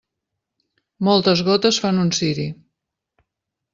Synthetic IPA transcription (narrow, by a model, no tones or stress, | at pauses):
mɔlˠt̪əzɣɔt̪əsfanunsiɾi